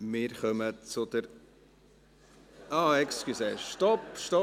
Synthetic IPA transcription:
mɪːɾχœmət͡sʊd̪əɾ | ɑːɛkskysɛʃtɔpʃtɔ

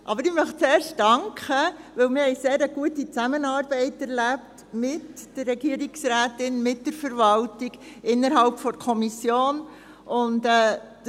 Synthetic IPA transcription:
ʔɑbəɾɪmœχt͡seːɾʃtdɑŋkχəʋɪlmɪɾhɛɪseːɾəɡ̥uətit͡sæmənɑːɾb̥ɛɪtɛɾlæpt | mɪtd̥əɾːɛɡ̥iəɾiksɾæːtɪnmɪt̚d̥əɾfəɾvɑltiɡ̥ɪnːəɾɦɑlpfɔɾkʰɔmisjoːn | ʊntɛːd̥

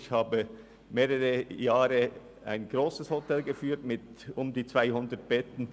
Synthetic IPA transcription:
çhaːbə | meːʁəʁəjaːʁə | a̰ɪnɡ̥ʁoːsəshotʰɛlɡəfyːɐtmɪtʊmdiːt͡sv̥aɪhʊndət̚b̥ɛtn̩

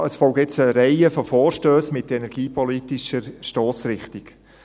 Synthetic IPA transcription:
əsfɔlɡɛt͡səɾɛɪəfɔfɔːɾʃtøːsmɪtɛnɛɾɡ̥iːpɔlitɪʃəɾʃtoːsrɪχtɪɡ̥

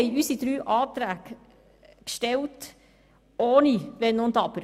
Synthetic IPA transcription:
ɪyːsit̪ɾyːʔɑːt̪ɾæːk | kʃtɛlt̪ | oːniʋeːnond̪ɑpəɾ

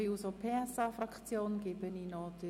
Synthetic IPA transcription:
iusopʰeːɛsaːfrakt͡sjoːnɡ̥ɪbəninɔd̥̪ə

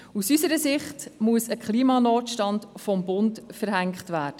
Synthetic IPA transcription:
usysəɾəsɪχtmuəsəkʰχliːmɑnɔːtʃtɑndfɔmbʊntfəɾɦæŋkχtʋæːɾd̥ə

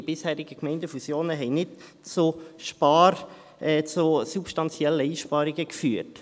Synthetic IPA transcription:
ib̥ɪshæːɾiɡəkmɛɪndəfusjoːnəɦɛɪnɪt | t͡suʃpɑɾ | t͡susupʃtɑnt͡sjɛlːəiːʃpɑːɾiɡəkfyːɾt

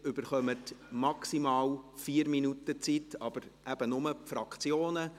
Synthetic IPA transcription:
ʏb̥əɾχœmətmɑksimɑːlfiːəɾminutət͡sitɑb̥əɾʔæb̥ənʊməpfɾɑkt͡sjoːnə

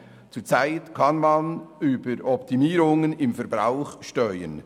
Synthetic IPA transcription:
t͡suːt͡saɪtkʰɑnmɑnyːbəɾɔp̚timiːɾʊŋənɪmfɛɾbɾa̰ʊχʃtœʏə̰n

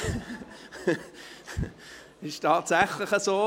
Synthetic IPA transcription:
ɪʃtʰɑːtsæχlɪχəsoː

